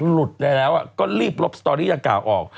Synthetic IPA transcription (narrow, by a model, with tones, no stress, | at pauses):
lu˨˩t̪̚na˧lɛː˦˥wʔa˨˩kɔː˥˩liː˥˩p̚lo˦˥p̚st̪ɔː˧ɾiː˥˩a˧ŋkla̰ː˨˩wʔɔː˨˩k̚